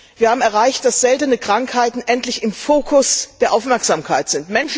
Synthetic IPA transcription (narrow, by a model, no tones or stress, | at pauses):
vviːɐhaːbm̩ɛɐʁ̞aɪçt̚d̥asz̥ɛltənəkʁ̥aŋkhaɪtn̩ʔɛntlɪçɪmfoːkʰʊsd̥eːɐʔaʊfmɛɐkz̥aːmkʰaɪtz̥ɪntmɛnʃ